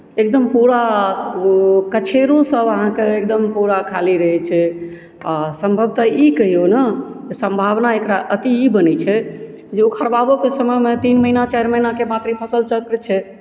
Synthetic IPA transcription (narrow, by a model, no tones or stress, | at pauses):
ek̚d̪əmpuɾa | kət͡ʃʰeɾosəbəɦãkeek̚d̪əmpuɾakʰaliɾəɦɛt͡ʃʰɛ | asəmbʱəb̚t̪əikəɦionə | d͡ʒesə̃mbʱabnaekɾaʔət̪iibənɛt͡ʃʰɛ | d͡ʒeukʰəɾbabokesəməɦmet̪inməɦinat͡ʃɛɪɾməɦinakemat̪ɾipʰəsəlt͡ʃəlkɾt͡ʃʰɛ